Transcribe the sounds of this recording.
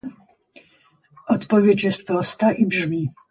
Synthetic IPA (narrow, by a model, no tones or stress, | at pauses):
ɔt̪pɔvʲjet͡ɕjɛst̪̚pɾɔst̪aʔibʐmʲi